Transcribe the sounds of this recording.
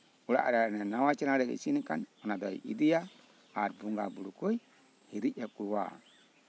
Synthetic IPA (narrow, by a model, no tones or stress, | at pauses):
uɾa̰ʔa̰ɾaɾnenawat͡ʃinaɾeḭsinikanunadaḭʔḭdija | aɾbuŋɡabuɾukoi | hiɾiʔekuɾwa̰